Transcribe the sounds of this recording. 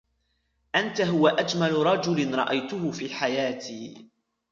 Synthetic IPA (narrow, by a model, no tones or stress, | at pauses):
ʔant̪aɦʊwaʔad͡ʒmalʊɾˤɑd͡ʒʊlɪnɾˤɑ̰ʔajt̪ʊhʊfiːħajaːt̪iː